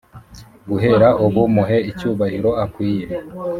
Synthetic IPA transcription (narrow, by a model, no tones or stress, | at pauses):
ɡuɦe̞ɾaʔuβumuɦe̞icuːβahiɾo̞akwiːɾe